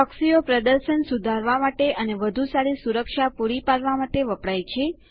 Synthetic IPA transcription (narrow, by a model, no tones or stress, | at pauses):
əksijopɾəd̪əɾʃənsud̪ʱaɾʋamaʈeʔəneʋəd̪ʱusaɾisuɾəkʃapuɾipaɾʋamaʈeʋəpɽajt͡ʃʰe